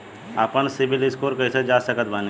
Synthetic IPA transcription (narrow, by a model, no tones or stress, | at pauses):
aːpənsɪbɪlɪskoːɾkəɪsed͡ʒaːsəkət̪baːn